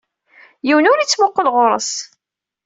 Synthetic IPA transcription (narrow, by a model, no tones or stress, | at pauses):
jiwənʊɾit͡sːmoqːəlʁʊɾˤə̰s